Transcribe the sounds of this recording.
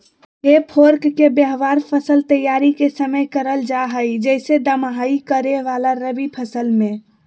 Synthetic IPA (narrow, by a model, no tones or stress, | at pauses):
epʰoɾkːebəɦʋaɾpʰəsəlt̪əjaɾikesəməjkəɾəld͡ʒaɦəjd͡ʒəsed̪əmɦaikəɾeʋalaɾəbipʰəsəlmẽ